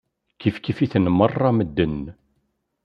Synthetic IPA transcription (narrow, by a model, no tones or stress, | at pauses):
kifkifiθənmərˤːɑməd̪ːən